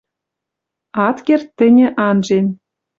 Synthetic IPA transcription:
ɑt̪kert̪ːɘ̆nʲɘ̆ʔɑnʒen

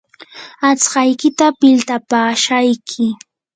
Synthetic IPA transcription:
at͡sɢɑjkɪt̪apɪlt̪apaːʃajkʰɪ

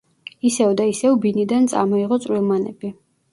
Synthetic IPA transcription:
isɛvd̪aisɛvbinid̪ant̪sʼa̰mɔiʁɔt̪sʼwilˠmanɛ̰bi

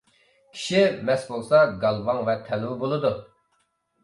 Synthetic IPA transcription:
kʲʰi̥ʃimɛsbolˠsɑɡɑlˠvɑŋvɛt̪ʰɛlwbolˠɨd̪u

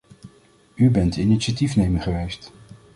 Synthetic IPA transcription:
ybɛntiniʃatifnejmənχəʋejst

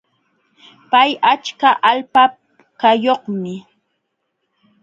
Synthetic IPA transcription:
pajat͡ʃkaʔalpa | kajoχmɪ

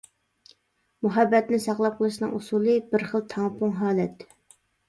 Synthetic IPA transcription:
muɦɛbːɛt̪nɪsɑχlˠɑp̚qʰəlˠɨʃnɨŋusulˠɨbɪɾχəlˠt̪ʰɑŋpʊŋɦɑːlɛt̪

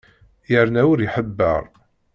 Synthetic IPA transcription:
jəɾnæʊɾiħəbːə̰ʁˤ

